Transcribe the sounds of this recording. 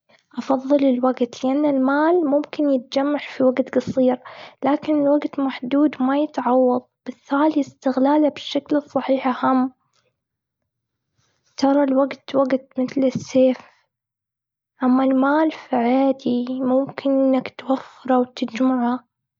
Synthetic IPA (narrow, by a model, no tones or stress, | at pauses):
ʔɑfɑðˤːɨlɪlwaɡt̪lɪʔanːalmaːlmʊmkɪnjɪt̪̚d͡ʒamːaʕfiwaɡt̪ɡɑsˤiːɾlaːkɪnɪlwaɡt̪maħd̪uːd̪majɪt̪ʕɑwːɑðˤb̥ɪθaːliɪst̪ɪɣlaːlabɪʃːaklɨsˤːɑħiːħahamː | t̪ɑɾˤɑlwaɡt̪waɡt̪mɪθlɪsːeːf | ʔamːalmaːlfiʕaːd̪imʊmkʰɪnʔɪnːakt̪wafːɪɾˤawt̪ɪd͡ʒmaʕa